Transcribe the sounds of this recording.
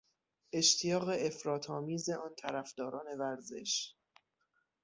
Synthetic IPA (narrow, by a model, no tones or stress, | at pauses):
ʔe̞ʃt̪ʰijɒːɣe̞efɾɒːt̪ʰɒːmiːze̞ʔɒːnt̪ʰæɾæfd̪̥ɒːɾɒːne̞væɾze̞̰ʃ